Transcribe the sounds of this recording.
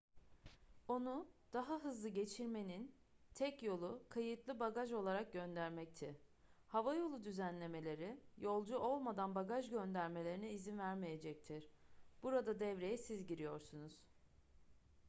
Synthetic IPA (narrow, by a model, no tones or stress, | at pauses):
o̞nud̪̥aɦaɦɯzlˠɯɟe̞t͡ʃʰiɾme̞nin | t̪ʰɛcjo̞lˠukʰajɯt̪lˠɯbaɡaʒo̞lˠaɾak̚ɟø̞nd̪æɾmɛc̚t̪ʰɪhavajo̞lˠud̪yzænlʲe̞me̞lʲe̞ɾɪjo̞lˠd͡ʒuʔo̞lˠmad̪anbaɡaʒɟø̞nd̪æɾme̞lʲeɾiniːzinvæɾmeje̞d͡ʒɛc̚t̪ʰiɾ̥b̥uɾad̪ad̪ɛvɾe̞jɛsizɟiɾijo̞ɾsunuz̥